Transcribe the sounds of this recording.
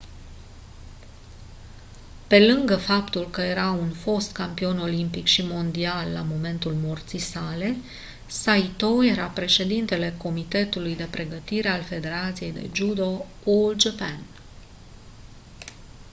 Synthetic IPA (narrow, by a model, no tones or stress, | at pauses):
pe̞lɨŋɡəfapt̪ulkəje̞ɾaunfo̞st̪kampio̞no̞limpikʃimo̞nd̪ialːa̰mo̞me̞nt̪ulmort̪sijsale̞ | sait̪oje̞ɾapɾe̞ʃe̞d̪int̪e̞le̞ko̞mit̪e̞t̪ulujd̪e̞pɾe̞ɡət̪iɾe̞alfe̞d̪e̞ɾat̪sije̞jd̪e̞̰d͡ʒud̪o̞ | uld͡ʒəpan